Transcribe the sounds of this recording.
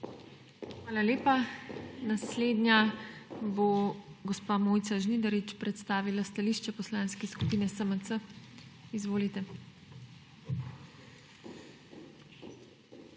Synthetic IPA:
xʋaːlaleːpanasleːd̪nʲja | boɡɔspamoːjt̪saʒnid̪aɾit͡ʃpɾɛt̪st̪aːʋilast̪aliʃt͡ʃɛpɔslaːnskɛskupiːnɛsəmət̪sə | izʋoːlit̪ɛ

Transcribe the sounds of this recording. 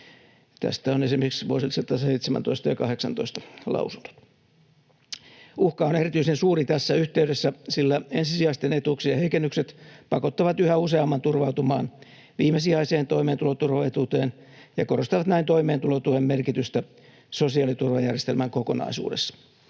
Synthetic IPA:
t̪æ̰st̪æonesimːeseksʋuosilsɑt̪ːɑseit̪semæ̰nt̪oist̪ɑjɑkɑheksɑnt̪o̰ist̪ɑ̥lɑ̰usund̥o̥t̪ | uhkɑonerit̪yisensuːrit̪æsːæyht̪eyɾesːæsilːæensisiɑist̪enet̪uksiɑheikenːykset̪pɑkot̪ːɑʋɑt̪yhæuseɑmːɑnt̪urʋɑuwt̪umɑ̰ːn | ʋiːmesiɑiseːnt̪oimeːnt̪ulot̪urʋɑet̪ut̪eːn | jɑkorost̪ɑʋɑt̪næint̪oimeːnt̪ulot̪uhemmerkit̪yst̪æ | sosiɑːlit̪urʋɑjærjest̪elmæŋkokonɑ̰isṵːdesːɑ̥

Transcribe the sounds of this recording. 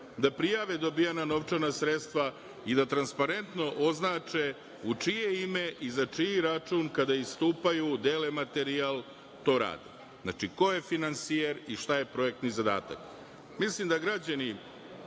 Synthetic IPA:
d̪apɾijaʋed̪o̞bijanano̞ʋt͡ʃanasɾet̪st̪ʋa | id̪at̪ɾanspaɾe̞nt̪no̞ʔo̞znaːt͡ʃe | ut͡ʂijeime̞ʔizat͡ʂijːɾat͡ʂuːnkad̪aist̪uːpajud̪elemat̪e̞ɾialˠ | t̪o̞ːɾa̰ːd̪ḛ | zna̰t͡ʂiko̞je̞finansijeɾiʃt̪aje̞pɾo̞e̞k̚t̪nizad̪a̰ːt̪a̰k | mislimd̪aɡɾad͡ʑani

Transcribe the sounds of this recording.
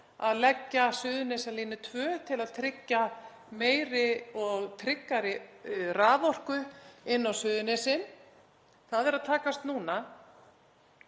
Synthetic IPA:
a̰ðlɛcːasʏːðʏnɛsaliːnɪt̪ʰvœːt̪ʰɪlaðt̪ʰɾɪcːa | meːjɾɪɔɣt̪ʰɾɪkːaɾɪraːðɔr̥kʏɪnːawsʏːðʏnɛsɪn | θaðɛɾaðt̪ʰaːkast̪nuːna

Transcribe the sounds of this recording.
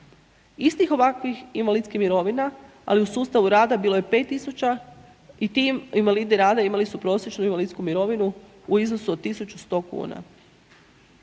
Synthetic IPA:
ist̪ixo̞ʋakʋiximʋalit̪skimiɾo̞ʋina | a̰liusuːst̪aʋuɾaːd̪abiːlo̞je̞pe̞t̪ːisut͡ɕa | it̪imimʋalid̪iɾaːd̪aimalisupɾo̞ːsjet͡ʃnuiʋalit̪skumiɾo̞ʋinu | uiznosuod̪̚t̪ːisut͡ʃust̪o̞ːkṵːna̰

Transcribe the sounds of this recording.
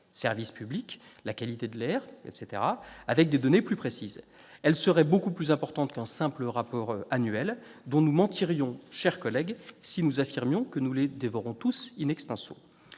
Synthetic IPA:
sɛʁvispyblik | lakalit̪ed̪əlɛʁɛ̰t̪set̪eʁaavɛk̚d̪ed̪ɔneplypχesiz | ɛlsəʁɛbokuplyzɛ̃pɔʁt̪ɑ̃t̪kɛ̃sɛ̃pləʁapɔʁanɥɛld̪ɔ̃numɑ̃t̪ʰiʁjɔ̃ʃɛʁkɔlɛɡsinuzafiʁmjɔ̃kənuled̪evɔʁɔ̃t̪usinɛkst̪ɛ̃so̰

